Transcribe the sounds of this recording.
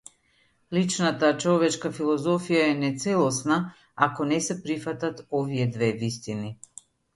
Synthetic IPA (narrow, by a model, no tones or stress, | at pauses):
lit͡ʃnat̪at͡ʃɔvɛt͡ʃkafilˠɔzɔfijaɛnɛt̪sɛlˠɔsna | akɔnɛsɛpɾifat̪at̪ɔvijɛd̪vɛvist̪ini